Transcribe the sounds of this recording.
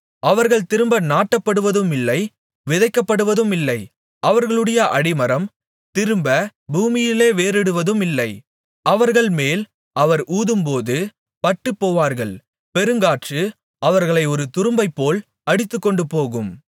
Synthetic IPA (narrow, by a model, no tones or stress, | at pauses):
ɐʋɐɾɣɐɭt̪ɪɾɯmbɐnaːʈːɐpːɐɽɯʋɐðɯmɪlːɐɪ | ʋɪðɐɪkːɐpːɐɽɯʋɐðɯmɪlːɐɪ | ʔɐʋɐɾɣɐɭɯɽɐjɐʔɐɽɪmɐɾɐm | t̪ɪɾɯmbɐbʱuːmɪjɪleːʋeːɾɪɽɯʋɐðɯmɪlːɐɪ | ʔɐʋɐɾɣɐɭmeːl | ɐʋɐɾʔuːðɯmpoːðɯ | pɐʈːɯpːoːʋaːɾɣɐɭ | pɛɾɯŋɡaːʈrɯ | ɐʋɐɾɣɐɭɐɪɔɾɯt̪ʊɾɯmbɐɪpːoːl | ɐɽɪt̪ːɯkːɔɳɖɯpoːɣɯm